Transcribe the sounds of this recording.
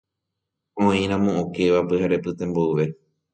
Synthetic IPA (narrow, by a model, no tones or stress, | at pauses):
õĩɾ̃ãmõõke̞ʋapɨɦaɾe̞pɨt̪ẽ̞mboɨʋe̞